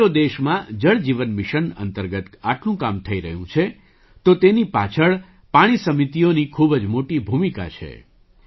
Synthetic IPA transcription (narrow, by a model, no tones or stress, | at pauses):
od̪eʃmãd͡ʒəɭd͡ʒiʋənmɪʃənə̰nt̪əɾɡət̪aʈlũkamt̪ʰəiɾəɦjũt͡ʃʰe | t̪ot̪enipat͡ʃʰəɭ | paɽ̃isəmit̪ionikʰubd͡ʒmoʈibʱumika̰t͡ʃʰḛ